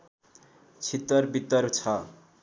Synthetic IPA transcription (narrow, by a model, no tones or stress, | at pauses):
t͡sʰit̪ːʌrbit̪ːʌrt͡sʰʌ